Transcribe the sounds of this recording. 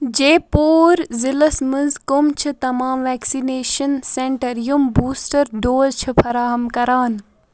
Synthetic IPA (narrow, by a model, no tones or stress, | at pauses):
d͡ʒeːpoːɾzilɐsmɐnzkomt͡ʃʰɨt̪ɐmaːmʋɛːksineːʃɐnsẽɳʈɐɾjumbuːsʈɐɾɖoːlt͡ʃʰɨfʰɐɾaːɦɐmkɐɾaːn